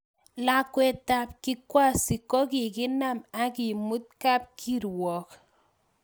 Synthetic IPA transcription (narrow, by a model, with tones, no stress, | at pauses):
la˦kwɛ˦ta˨p̚kɪ˦kwa˦˨si˨kɔ˦kɪ˨kɪ˦na˦˨ma˦ki˨mu˦t̪̚ka˦p̚kʰi˦ɾwɔ˨k